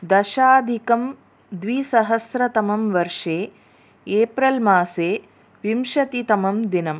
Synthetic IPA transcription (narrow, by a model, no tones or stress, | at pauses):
d̪ɐʃaːd̪ʱikɐm | d̪ʋisɐɦɐsɾɐt̪ɐmɐmʋɐɾʂeː | eːpɾɐlmaːseː | ʋimʃɐt̪it̪ɐmɐmd̪inɐm